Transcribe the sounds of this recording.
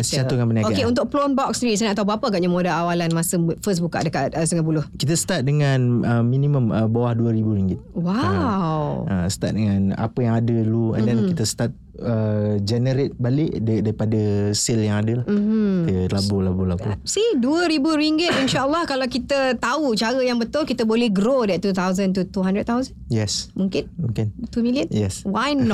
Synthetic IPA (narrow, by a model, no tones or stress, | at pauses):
sət͡ʃat̪ukanpəniakoakeunt̪ʊk̚plɔnbɔk̚sɾis̬anaʔat̪abaapəaɡat̪̚ɲəmodaawalanmasəfəs̬buka̰ʔdəkat̪̚əsəŋapulʊhkit̪̬əsə̥t̪at̪̚dəŋãnəmĩniməməbawahduəɾibuɾiŋɡɪt̪̚wawəsə̥t̪a̰t̪̚dəŋana̰pəjaŋadəluə̰̃ndɛnkit̪əsə̥t̪at̪̚ | əd͡ʒɛnəɾɪt̪̚balɪʔddaɾipadəsɪljaŋadəlahm̩kt̪əlabolabolabusiduəɾibuɾiŋɡɪt̪̚inʃaʔəlːɔhkalakit̪ət̪aut͡ʃaɾəjaŋbət̪ʊlkit̪əbolɛhɡɾodɛt̪̚t̪ːut̪awzənt̪ut̪uɦãndɾət̪̚t̪awzənjɛsmũŋkɪnmuŋkɪnt̪umiliənjɛswajnɔ